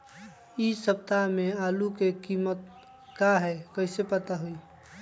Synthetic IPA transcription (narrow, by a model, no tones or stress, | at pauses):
isəp̚t̪amẽaːlukekiːmət̪̚ | kaɦɛkəɪsepət̪aɦui